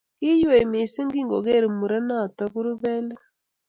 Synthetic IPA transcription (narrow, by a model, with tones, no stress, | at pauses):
ki˦jwe˨mi˨se˦ŋɡi˦ŋɡo˨ɣe˦˨ɾi˨mu˨ɾa˦na˦˨ta˦βu˦ɾu˦βɛ˦le˦